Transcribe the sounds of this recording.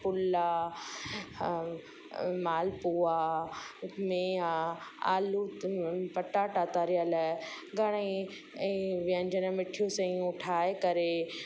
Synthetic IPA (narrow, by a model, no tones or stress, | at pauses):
pʊla | maːlpua | mẽaa̰ːlupɐʈaʈaːt̪aːɾijal | ɡʱɐɽ̃ẽ | ʋiə̃ɲd͡ʑənmɪʈʰijosɐ̃ĩʊʈʰaːekɐɾe